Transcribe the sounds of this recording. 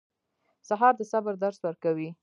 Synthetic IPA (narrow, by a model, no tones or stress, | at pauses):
saɦɑɾd̪əsabaɾd̪aɾswəɾkawi